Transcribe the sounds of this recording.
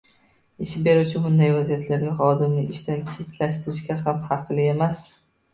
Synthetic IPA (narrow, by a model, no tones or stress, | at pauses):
ɪʃbe̞ɾut͡ʃʰɪbʊnd̪ajvazijat̪ʰlaɾɡʲaχɒd̪ɪmnɪʔɪʃt̪ankʲʰet̪ʰlaʃt̪ɪɾɪʃkʲaɦamhɑqʰlˠɪe̞mas